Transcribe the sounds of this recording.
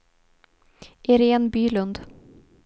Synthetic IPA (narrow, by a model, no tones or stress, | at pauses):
ʔɪɾeːnbyːlʉnd̪